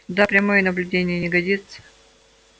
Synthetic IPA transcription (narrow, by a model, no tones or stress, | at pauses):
d̪apɾʲɐmojənəblʲʉdʲenʲɪjənʲɪɡɐdʲit̪sə̥